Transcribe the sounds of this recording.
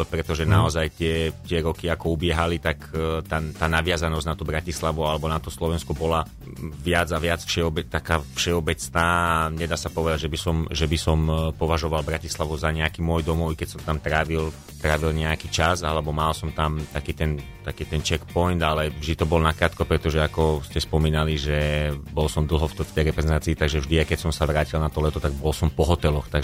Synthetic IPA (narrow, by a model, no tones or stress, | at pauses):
pɾɛt̪ɔʒɛnaɔzajt̪ɪɛt̪ɪɛɾɔkiakɔubɪɛɦalit̪akt̪at̪aːnaʋɪazanɔzɟnat̪ubɾacislaʋualɛbɔnat̪ɔslɔʋɛnskɔbɔla | ʋɪad͡zaʋɪat͡sfʃɛɔbɛt̪akaːfʃɛɔbɛt͡snaːaɲɛd̪aːsapɔʋɛd̪aɟʒɛbisɔmʒɛbisɔmpɔʋaʒɔʋalbɾacislaʋuzaɲɛakiːmʊɔjd̪ɔmɔwkɛcsɔmt̪amt̪ɾaʋil | t̪ɾaːʋilɲɛakit͡ʃazalɛbɔmalsɔmt̪amt̪akiːt̪ɛnt̪akiːt̪ɛnt͡ʃɛkpɔjnd̪alɛvʒd̪it̪ɔbɔlnakɾaːt̪kɔpɾɛt̪ɔʒɛakɔscɛspɔmiːnaliʒɛbɔlsɔmd̪l̩ˠɦɔftft̪ɛjɾɛpɾɛzɛnt̪aːt͡siːt̪aɡʒɛvʒd̪iaɪkɛcsɔmsaʋɾaːcilnat̪ɔlɛt̪ɔt̪aɡ̚bɔlsɔmpɔɦɔt̪ɛlɔxt̪aɡ